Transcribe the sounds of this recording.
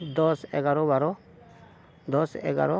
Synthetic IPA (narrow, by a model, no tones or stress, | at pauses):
d̪ɔsɛ̰ɡaɾɔbaɾɔ | d̪ɔsɛ̰ɡa̰ɾɔ